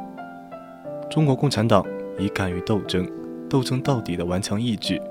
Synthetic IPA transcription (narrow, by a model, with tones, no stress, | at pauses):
ʈ͡ʂʊ˥ŋkwɔ˧˥kʊ˥˩ŋʈ͡ʂʰa˧˥nt̪ɑ˨˩˦ŋi˧˥ka˨˩ny˧˥t̪o˥˩ʊʈ͡ʂɤ˥ŋt̪o˥˩ʊʈ͡ʂɤ˥ŋt̪ɑ˥˩ʊt̪i˨˩d̪ə˦wa˧˥nt͡ɕʰjɑ˧˥ŋi˥˧t͡ɕy˥˩